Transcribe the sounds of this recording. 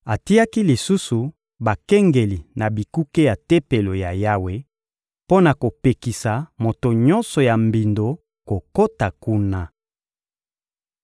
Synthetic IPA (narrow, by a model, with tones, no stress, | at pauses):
a˨ti˦ja˦ki˦li˨su˦su˨ | ba˨kɛ˦ŋɡe˨li˨na˨bi˨ku˦ke˦ja˨te˦pe˨lo˨ja˨ja˦we˦ | po˦na˨ko˨pe˨ki˨sa˨mo˨to˨ɲɔ˦nsɔ˨ja˨mbi˨ndo˨ | ko˨ko˦ta˨ku˦na˦